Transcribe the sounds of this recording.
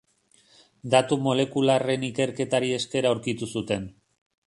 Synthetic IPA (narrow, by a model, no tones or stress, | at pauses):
d̪at̪umo̞le̞kulare̞nike̞ɾke̞t̪aɾie̞ske̞ɾauɾkit̪usut̪e̞n